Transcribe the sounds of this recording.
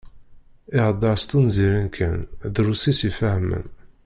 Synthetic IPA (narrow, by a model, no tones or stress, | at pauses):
ɪʁd̪ˤːɑɾst̪unziɾænkʰænðɾusisifæhmə̰n